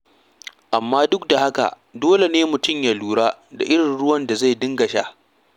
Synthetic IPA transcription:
ʔa˨mːaː˦dʊ˦k̚da˨ha˦ka̰˨ | doː˦le˨neː˦mʊ˨tʊ˦˨mjaː˨luː˦ɽaː˦da̰˨ʔɪ˦ɽɪ˨nɽʊ˦wɐ˦nda˨za˦˨dɪ˦ŋɡɐ˨ʃa̰ː˦

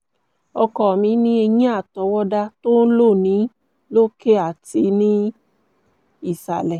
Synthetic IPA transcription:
ɔ˧kɔ˨mĩ˨˦nĩ˦e˧jĩ˦a˦˨tɔ˨˦wɔ˦da˧to˦n̩˦lo˦˨nĩ˨˦ | lo˦ke˦a˨ti˧nĩ˦ | i˦˨sa˨lɛ˨

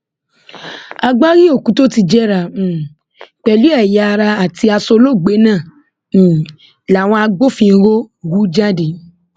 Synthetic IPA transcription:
a˧ɡ͡ba˦ɾi˦o˦˨kũ˨˦to˦ti˧d͡ʒɛ˦˨ɾã˨ | k͡pɛ˨lu˦ɛ˦˨ja˨˦˧ɾa˧a˨ti˧a˧so˧lo˦˨ɡ͡be˨˦nã˦˨ | la˨w̃ɔ̃˧a˧ɡ͡bo˦˨fĩ˧ɾo˦˨wu˦d͡ʒa˦de˨

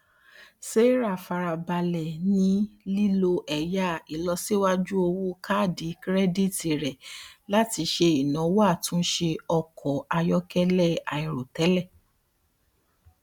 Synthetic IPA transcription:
se˦ɾa˦˨fa˧ɾa˨ba˧lɛ˨nĩ˧li˦lo˧ʔɛ˨ja˦i˨lɔ˧si˦wa˦d͡ʒu˦o˧wo˦kʰa˦˨di˨˦kɾɛ˦di˦˨ti˨ɾɛ˨la˦ti˧ʃe˧i˨nã˨˦wo˦a˦˨tũ˦ʃe˧ɔ˧kʰɔ˨a˧jɔ˦kɛ˦lɛ˦˨a˨i˨ɾo˨tɛ˨˦lɛ˦˨

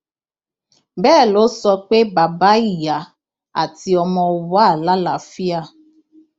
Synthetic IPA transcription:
bɛ˦˨lo˦sɔ˦k͡pe˦ba˨ba˦i˦˨ja˨ | a̰˨ti˨ɔ˨mɔ˨ʊ˨ba˦˨la˦la˨fi˦a˦

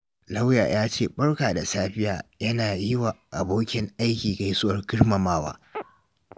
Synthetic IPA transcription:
la˦wja̰ː˨jaː˦t͡ʃeː˦ɓɐ˦ɽkaː˨da˨saː˦ɸɪ˦ja̰ː˨jɐ˦naː˨jɪ˦waː˨ʔa˨boː˦kʲɪ˦ŋʔa˦jkʲiː˨ka˨jsʊ˦ʔɐ˨rɡʲɪ˦ɽmɐ˨maː˦wa̰ː˦

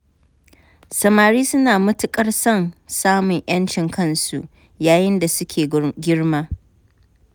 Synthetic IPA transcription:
sɐ˨maː˨ɾiː˦sʊ˦naː˨mʊ˦tʊ˨kʼɐ˦rsɐ˦˨nsaː˦mʊ˨ɲʔj̰ɐ˦nt͡ʃɪ˨ŋkʰɐ˦nsṵ˨ʔ | jaː˨jɪ˦nda˨sʊ˦kʲʰeː˨ɡʲɪ˦ɽmaː˦

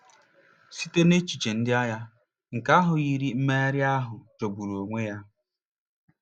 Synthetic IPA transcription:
si˦te˦ne˦t͡ʃi˨t͡ʃe˨n̩˦dɪ˦a˦ja˦ | ŋ̩˨ka˦ɦʊ˨ɣi˦ɾi˦m̩˦me˦ɾɪ˦a˦ɦʊ˨d͡ʒo˨bu˨ɾu˨o˨ŋʷe˦ja˦

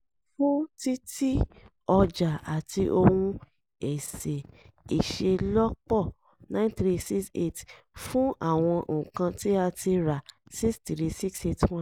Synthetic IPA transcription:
fũ˦ti˦ti˦ | ɔ˧d͡ʒa˨a˨tʰi˧ʔo˧wũ˧ | ɛ˨se˨i˨ʃe˧lɔ˦k͡pɔ˦˨ | nã˦nθɾi˦si˦ksḛ˦˨t | fũ˦a˦˨w̃ɔ̃˧ʔ̩˨kã˧ti˦a˧ti˧ɾa˨si˦kstɾi˦˧si˦kse˦twɔ̃˦

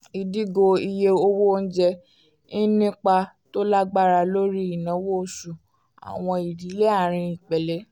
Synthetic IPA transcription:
i˨di˦ɡo˧i˧je˧o˧wo˦n̩˦d͡ʒɛ˧ | nĩ˦nĩ˦k͡pa˧ | to˦la˦ɡ͡ba˦ɾa˧lo˦ɾi˦i˨nã˨˦wo˦˨su˨ | a̰˨w̃ɔ̃˧i˨di˨˦le˦a˦˨ɾ̃ĩ˧i˨k͡pɛ˨lɛ˨˦

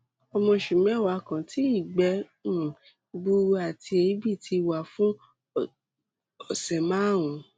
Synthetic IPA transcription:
ɔ˧mɔ̃˧ʃu˨mɛ̃˨˦wa˨˦kã˨ti˦i˦˨ɡ͡bɛ˧˦ | ũ˨ | ɡ͡bu˧a˨tʰi˧e˧˨˦bi˦˨ti˧wa˨fũ˦ | ɔ˨sɛ˨mã˨˦˨ũ˨˧˦

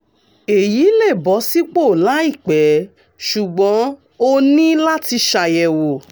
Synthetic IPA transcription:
e˨ji˨˦le˦˨bɔ˨˦si˦k͡po˦˨la˨˦i˦˨k͡pɛ˨˦ | ʃu˨ɡ͡bɔ̃˨˦ | o˦nĩ˦la˦ti˧ʃa˨jɛ˨wo˨

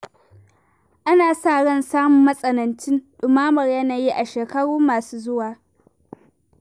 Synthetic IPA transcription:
ʔa˦naː˨saː˦˨ɽɐ˦˨nsaː˦mʊ˨mːɐ˦sʼɐ˨nɐ˨nt͡ʃɪ˦nɗʊ˨maː˦mɐ˨rjɐ˦naː˨ji˦ʔa˨ʃeː˨kɐ˦ɽuː˦mːaː˨suː˦zʊ˦waː˨

